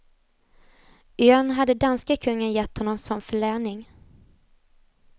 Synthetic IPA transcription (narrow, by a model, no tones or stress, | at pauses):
ʏœnɦad̪ːəd̪anskakʰɵŋːənjɛt̪ːhɔnːɔmsɔmfœɭæːɳɪŋ